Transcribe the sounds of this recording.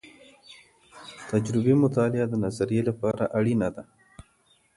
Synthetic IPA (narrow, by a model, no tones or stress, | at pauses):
t̪ad͡ʒɾɪbemʊt̪ɑlɪad̪ənazaɾijelapɑɾa̰ʔaɽinad̪a